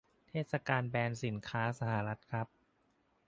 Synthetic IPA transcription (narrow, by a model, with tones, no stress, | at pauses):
t̪ʰeː˥˩t̪̚sa˧kaː˧nbɛː˧nsi˨˩˦nkʰaː˦˥sa˧ha˩ɾa˦˥t̪̚kʰɾa˦˥p̚